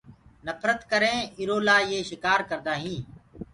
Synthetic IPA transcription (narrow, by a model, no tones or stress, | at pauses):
nəfʰɾət̪kəɾẽːɪɾoːlaːjeːʃɪkaːɾkəɾd̪aːɦĩː